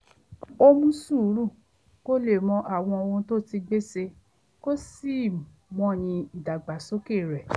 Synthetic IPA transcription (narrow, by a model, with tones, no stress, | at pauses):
o˦mũ˦su˦˨˦ɾu˦˨ | ko˦le˦˨mɔ̃˧ʔa˨w̃ɔ̃˧o˧wõ˧˦to˦ti˧ɡ͡be˦se˧ | ko˦si˦˨ | mɔ̃˨˦˨j̃ĩ˧i˨da˨ɡ͡ba˨so˦ke˦˨ɾɛ˨